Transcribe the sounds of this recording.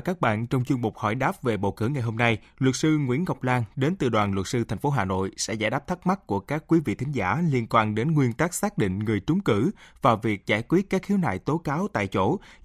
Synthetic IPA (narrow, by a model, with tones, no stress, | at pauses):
kaː˦˥k̚ɓa̰ː˧˨nt͡ɕɔ˧wŋ͡mt͡ɕu˧əŋɓo˨˩k͡p̚hɔ̰˧˩jɗaː˦˥p̚ve˨˩ɓə̰˧˨wkɨ̰˧˩əŋa˨˩jɦo˧mna˧j | lwə˨˩t̚sɨ˧ŋwḭ˧˥ənɣa˨˩wk͡p̚laː˧nɗe˨˦nt̪ɨ̰˨˩ɗwaː˨˩nlwə˨˩t̚sɨ˧t̪ʰɛ˨˩ŋ̟fo˨˦ɦaː˨˩no̰˧˨jsɛ̰˧˥za̰ː˧˩jɗaː˦˥p̚t̪ʰa˦˥k̚ma˦˥t̚ku˧˩əkaː˦˥kːwi˨˦vḭ˧˨t̪ʰŋ̟za̰ː˧˩li˧ənkwaː˧nɗe˨˦nŋwi˧ənt̪aː˦˥k̚saː˦˥k̚ɗḭ˧˨ŋ̟ŋɨ˨˩əjt͡ɕʊ˨˦ŋ͡mkɨ̰˧˩vaː˨˩wvi˨˩ək̚zaː˧˩jkwi˦˥ət̚kaː˦˥k̚xi˨˦əwna̰ː˧˨jt̪o˨˦kaː˨˦wt̪a̰ː˧˨jt͡ɕo˧˩